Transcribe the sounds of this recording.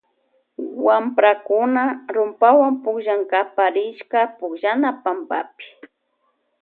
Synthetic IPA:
wampɾakʊnaɾʊmpawampʊkʒaŋkapaɾɪʃkapʊkʒanapamba̰pɪ̥

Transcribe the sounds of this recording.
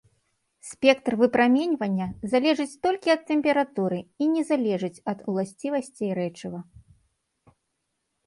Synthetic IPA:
sʲpʲɛkt̪rvɨpɾamʲɛnʲvɐnʲːɐzalʲɛʐɨt͡sʲt̪ɔlʲkʲiɐt̪ːɛmʲpʲɛɾat̪uɾɨinʲɛzalʲɛʐɨt͡sʲɐt̪ulˠasʲt͡sʲivɐsʲt͡sʲiɾɛt͡ʂɨvɐ

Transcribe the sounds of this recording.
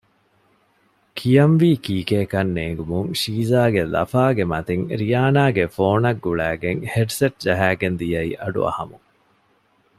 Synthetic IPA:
kʰijɐmʋiːkiːkeːkɐnːeːŋɡumuŋʃiːzaːɡelɐ̰faːɡemɐt̪iŋɾijaːnaːɡefoːnɐɡːuɭæːɡeŋheɖseʈ̚d͡ʒɐɦæːɡend̪ijɐḭʔɐɖṵɐ̰hɐmu

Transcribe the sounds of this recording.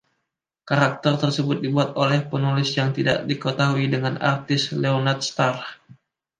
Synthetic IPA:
kaɾak̚t̪ərt̪ərsəbʊt̪̚dibuat̪olɛhpənulɪsjaŋt̪ida̰ʔdikət̪aɦuidəŋana̰rt̪ɪsleonat̪̚st̪ar

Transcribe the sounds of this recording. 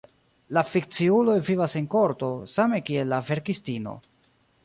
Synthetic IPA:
lafik̚t͡siulo̞jvivase̞nko̞ɾto̞same̞kielːave̞ɾkistino̞̰

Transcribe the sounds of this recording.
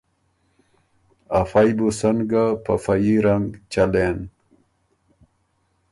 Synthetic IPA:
afajbusənɡapafajiɾaŋɡt͡ɕalen

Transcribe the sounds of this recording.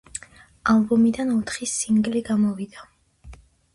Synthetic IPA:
albɔmid̪anɔt̪ʰχisiŋɡliɡamɔvid̪̥a

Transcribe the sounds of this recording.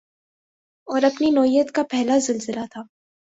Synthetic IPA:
ɔːɾɐpninɔːɦijət̪kapɛɦlazɪlzɪlat̪ʰaː

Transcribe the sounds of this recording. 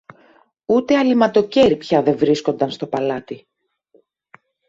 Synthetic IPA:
ut̪e̞ɐlimɐt̪o̞ce̞ɾipçɐðe̞vɾisko̞nd̪ɐnst̪o̞pɐlɐt̪i

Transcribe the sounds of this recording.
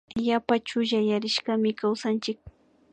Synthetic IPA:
ʎapat͡ʃʊʒajaɾɪʃkamɪkawsant͡ʃɪk̚

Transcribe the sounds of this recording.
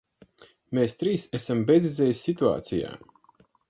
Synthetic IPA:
meːst̪ɾiːsɛsambezizɛːjisʲːit̪ua̰ːt̪sija̰ː

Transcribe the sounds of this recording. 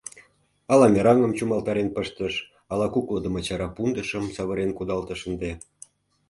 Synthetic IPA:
ɑlɑmʲeɾɑŋə̆mt͡ɕumɑlt̪ɑɾenpəʃt̪əʃ | ɑlɑkukləd̪ə̆mət͡ɕɑɾɑpund̪əʃəmsɑβəɾenkud̪ɑlt̪ə̆ʃənd̪e

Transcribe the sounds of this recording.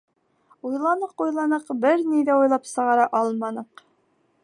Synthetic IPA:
ujlˠɑnɤqujlˠɑnɤqbɘɾniðæujlˠɑpsɤ̆ʁɑɾɑʔɑlˠmɑnɤq

